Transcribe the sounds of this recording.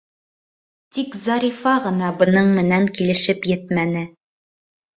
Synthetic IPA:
t̪ikzɑɾʲifɑʁɤ̆nɑbɤ̆nɤɴmɘ̆næŋkilɘ̆ʃɘpjɘt̪mænɘ

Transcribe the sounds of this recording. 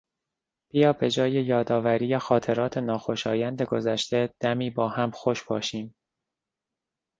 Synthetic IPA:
b̥ijɒːbe̞d͡ʒɒːjejɒːd̪ɒːvæɾiːjexɒːt̪ʰe̞ɾɒːt̪ʰenɒːxo̞ʃɒːjænd̪e̞ɡo̞zæʃt̪e̞d̪̥æmiːbɒːhæmxo̞ʃbɒːʃiːm

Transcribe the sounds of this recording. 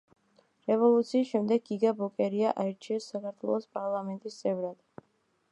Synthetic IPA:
ɾɛvɔlˠut̪sʰiːʃɛmd̪ɛɡiɡabɔkʼɛɾiaʔaɛɾt͡ʃʰiɛsːakaɾt̪ʰwɛ̰lˠɔspʼaɾlˠamɛnt̪ʼist̪sʼɛvɾad̪̥

